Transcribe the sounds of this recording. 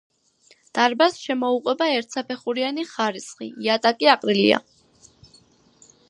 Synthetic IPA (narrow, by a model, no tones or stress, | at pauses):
d̪̥aɾbasʃɛmɔuqʼwɛbaɛɾt̪ʰsapʰɛχuɾianiχaɾisχḭat̪ʼakʼiaqʼɾilḭa̰